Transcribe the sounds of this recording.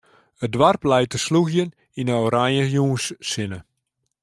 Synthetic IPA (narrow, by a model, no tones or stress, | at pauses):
ədʋarplɛjt̚əsluɣjən | inəoɾanjəjuːnsːɪnə